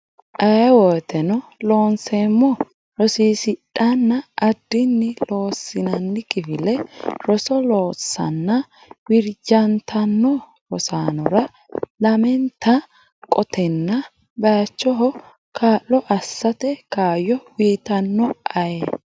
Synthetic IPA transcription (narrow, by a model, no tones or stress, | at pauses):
ʔɐjɐwɔːt̪ɛnɔlo̞ːnseːmːɔ | ɾɔsiːsɪɗɐnːɐːd̪ːɪnːɪlo̞ːsːɪnɐnːɪkʼɪfɪlɛɾɔsɔloːsːɐ̰nːɐ | wɪɾd͡ʒɐnt̪ʰɐnːɔ | ɾɔsaːnɔɾɐ | lɐmɛnt̪ʰɐ | kʼɔt̪ʰɛnːɐ | bɐjɐt͡ʃːɔɦɔ | kʰaːlːɔʔɐsːɐt̪ɛkaːjɔwiːt̪ɐnːɔɐjɛ